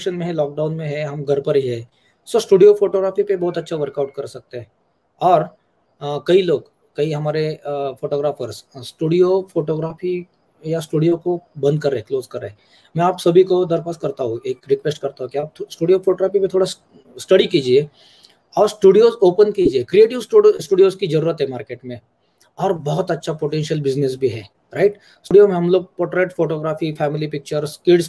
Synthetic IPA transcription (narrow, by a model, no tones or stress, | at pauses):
ʃənmẽɦɛlɔːk̚ɖaːʊnmẽɦɛɦɐmɡɐɾpəɾɦiɦɛː | soːsʈuːɖijofʰoːʈoːɡɾaːfipebɔːt̪ɐtːʃʰaʋəɾkaʊʈ̚kɐɾsɐk̚t̪eɦɛ̃ | ɔːɾ | kɐiloːɡ | kɐiɦɐmaːɾefoːʈoːɡɾaːfəɾssʈuːɖijofoːʈoːɡɾaːfi | jasʈuːɖijokobɐ̃nd̪̚kɐɾːeekloːzkɐɾːee | mɛ̃aːpsɐbʱikod̪ɐɾpaskɐɾt̪aɦũeːkɾɪkʋesʈ̚kɐɾt̪aɦũkiaːp̚sʈuːɖijofʰoːʈoːɡɾaːfipẽt̪ʰoːɽas | sʈɐɽikiːd͡ʒie | ɔːɾsʈuːɖijozoːpənkiːd͡ʒiekɾieːʈɪʋsʈuːɖijoːzkizɐɾuːɾət̪ɦɛmaːɾkeːʈmẽ | ɔːɾbɔɦʊt̪ɐtːʃʰapoʈɛ̃nʃəlbɪznesbʱiɦɛː | ɾaɪʈ | suːɖijomẽɦɐ̃mloːɡ̚pɔːɾʈɾeːʈfoːʈoːɡɾaːfifʰɛːmɪlipɪk̚t͡ʃəɾskɪɖs